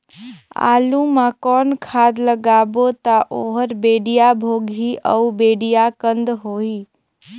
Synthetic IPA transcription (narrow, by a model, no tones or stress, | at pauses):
a̰ːlũmãkɔːnkʰaːd̪ləɡaːbot̪aʔoːɦəɾbeːɖijabʱoːɡʱiʔəubeːɖijakənd̪ɦoːiː